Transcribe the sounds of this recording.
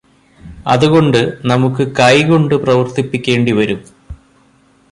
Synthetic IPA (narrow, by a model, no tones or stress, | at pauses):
ɐ̰ðuɣo̞ɳɖɨnɐmukːɨkɐjɣo̞ɳɖɨprɐʋɐrt̪ipːikʲːe̞ːɳɖiʋɐɾum